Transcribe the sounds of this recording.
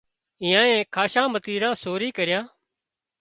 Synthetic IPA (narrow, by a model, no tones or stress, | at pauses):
ɪ̃jãːẽːkʰaːʃãːmət̪iːɾãːsoːɾiːkəɾɪjãː